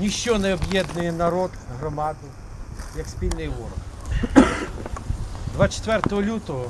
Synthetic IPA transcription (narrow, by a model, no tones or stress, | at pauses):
nʲiʃt͡ʃɔnɛɔbjɛd̪nɪjɛnɐɾɔd̪ɦɾɔmɑd̪ɪ | jɐksʲpʲilʲnɪjʋɔɾɔx | d̪ʋat͡ʃɛ̥t̪ʋɛrt̪ɔɦɔlʲut̪ɔɦɔ